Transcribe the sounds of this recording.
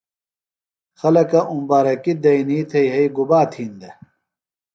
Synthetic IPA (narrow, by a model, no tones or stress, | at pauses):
xɐlɐkɐʔumbaːɾɐkid̪ɐiniːt̪ʰɐjɦɐiɡubaːt̪ʰiːnd̪ɐ